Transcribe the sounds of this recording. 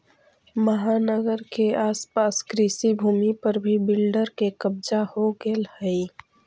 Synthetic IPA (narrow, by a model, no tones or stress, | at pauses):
məɦanəɡəɾkeaːspaːskɾiːsibʱuːmipəɾbʱibɪlɖəɾkekəbd͡ʒahoɡelhəi